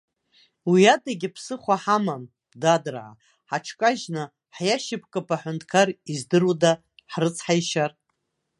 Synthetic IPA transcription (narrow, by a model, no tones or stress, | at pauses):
wiadaɡʲɪpʰsɨχʷaħamam | dadɨrʕa̰ | ħaʈ͡ʂʰkʼaʒnɨ | ħjaʃɪpʰkʼapʼaħʷʊntʰkʰarizdɨruda | ħrɨt͡sʰħajʃar